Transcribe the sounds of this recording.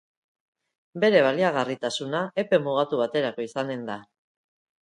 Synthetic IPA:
be̞ɾe̞β̞aliaɣ̞arit̪asunaʔe̞pe̞muɣ̞at̪uβ̞at̪e̞ɾako̞isane̞nd̪a

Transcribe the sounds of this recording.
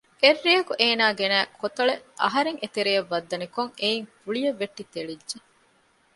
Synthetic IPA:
ʔerːijɐkuʔeːnaːɡenæːkʰot̪ɐɭeʔɐ̰ɦɐɾeŋet̪eɾejɐʋːɐd̪ːɐnikoŋeiŋfuɭijɐʋːeʈːit̪eɭidd͡ʒe

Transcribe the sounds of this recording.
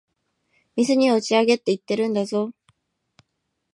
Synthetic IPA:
misʰɯɲiʌt͡ɕiaɡet͈it̪͈eɾɯndeso

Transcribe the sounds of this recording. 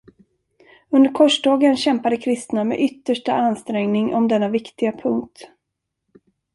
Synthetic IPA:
ɵnd̪əɾkʰɔʂɖɑːɡənɕɛmpad̪əkʰɾɪst̪namɛ̰ʔʏt̪ːəʂʈaanst̪ɾɛŋnɪŋʔɔmd̪ɛnːavɪkt̪ɪɡapʰɵŋk̚t̪

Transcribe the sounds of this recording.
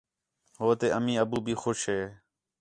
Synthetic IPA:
ɦoːt̪eːəmĩːəbuːbʱiːxʊʃɦeː

